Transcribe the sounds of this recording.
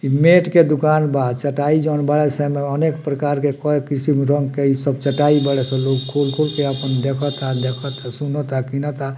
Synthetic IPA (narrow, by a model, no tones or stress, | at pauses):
imeʈked̪ukanbad̪t͡ʃəʈaid͡ʒonbəɭɛsɛ̃meənekpɾəkaɾkekɔekisimɾəŋɡkeisəb̚t͡ʃəʈaibəɽɛsə̃lokkʰulkʰulkeəpənd̪ekʰɔt̪ad̪ekʰɔt̪asunɔt̪akinat̪a